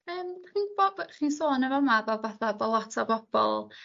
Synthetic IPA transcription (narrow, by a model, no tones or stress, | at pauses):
əːmχiːbɔbχiːnsoːnɛvɔmavɛvaθabɔlˠɔtʰabɔb̥ɔ̰lˠ